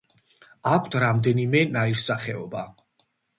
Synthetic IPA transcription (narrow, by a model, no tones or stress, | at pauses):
akʷʰt̪ʰɾamd̪ɛnimɛnaiɾsaχɛɔba